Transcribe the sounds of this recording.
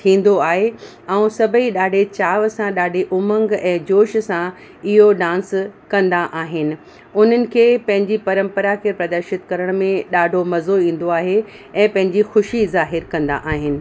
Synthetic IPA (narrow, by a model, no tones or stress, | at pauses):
t̪ʰĩːn̆d̪oaːɦe | ɛ̃ũsɐbʱəiɗaːɖʱet͡ɕaːʋsãɗaːɖʱeʔʊmə̃ŋɡɛ̃ːd͡ʑoːʃsã | ɪɦoɖãːnskɐ̃nd̪aʔaːɦɪnɪ̆ | ʊn̤ənɪ̆kʰeːpɐ̃ɦɪ̃ɲd͡ʑipɐɾə̃mpəɾakiɾpɾɐd̪əɾʃɪt̪kɐɾəɽ̃mẽɗaːɖʱomɐzoĩːn̆d̪oaːɦe | ɛ̃ːpɐ̃ɦɪ̃ɲd͡ʑixʊʃizaːɦɪɾkɐ̃nd̪a̰ʔaːɦɪnɪ̆